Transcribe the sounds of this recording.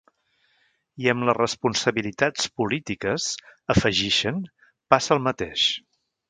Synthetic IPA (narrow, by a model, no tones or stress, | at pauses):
iəmlərəspunsəβilit̪at͡spulit̪ikəsəfəʒiʃən | pasəlˠmət̪eʃ